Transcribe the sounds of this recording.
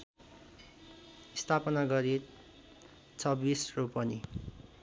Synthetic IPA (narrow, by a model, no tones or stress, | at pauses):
st̪ʰapʌnaɡʌɾit̪ | t͡sʰʌbisropʌni